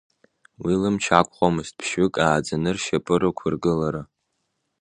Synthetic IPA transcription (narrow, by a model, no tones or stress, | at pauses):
wilɨmt͡ʃʰakʷʼχʷomɨzt̚ʼpʰʃɪkʼaːd͡zanɨrʃapʼɨɾɨkʷʰʊrɡɨlaɾa